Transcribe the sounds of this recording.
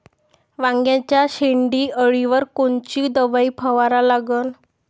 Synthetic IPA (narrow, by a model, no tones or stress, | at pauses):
ʋãŋɡjãt͡ɕjaɕeɳɖiːəɭiʋəɾkoɳt͡ɕiːd̪əʋaiːpʰəʋaɾalaɡən